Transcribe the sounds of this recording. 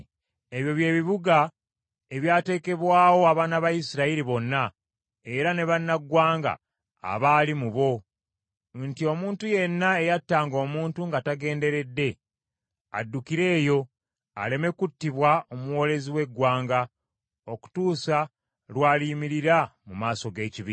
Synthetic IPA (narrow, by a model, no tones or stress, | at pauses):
e̞βjo̞βje̞ːβiβuɡa | e̞βjaːte̞ːke̞βwaːwo̞aβaːnaβajisiɾaiɾiβo̞nːa | e̞ɾane̞βanːaɡwaːŋɡa̰ː | βaːlimuβo̞ | ntio̞muːntuje̞nːae̞jatːaːŋɡo̞ːmuːntuŋɡataɡe̞ːnde̞ɾe̞dːe̞ | a̰dːukiɾe̞ːjo̞ | a̰le̞me̞kutːiβwao̞muwo̞ːle̞ziwe̞ɡːwaːŋɡa | o̞ku̥tuːsa | lwaːliːmiɾiɾamumaːso̞ɡe̞ːciβi